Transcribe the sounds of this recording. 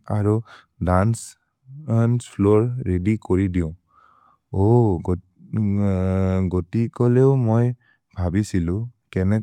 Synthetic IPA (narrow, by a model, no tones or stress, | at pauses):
aɹu | dans | nspʰloɹːedikoɹidiʊ̃ | oɡ | ɡotikɔleʊmoj | bʱabisilʊ̃kɛnɛ